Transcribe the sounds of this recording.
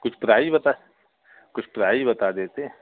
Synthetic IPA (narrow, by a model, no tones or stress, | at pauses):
kʊt͡ʃʰpɾaːibɐt̪a | kʊt͡ʃʰpɾaːibɐt̪ad̪eːt̪eɦɛ̃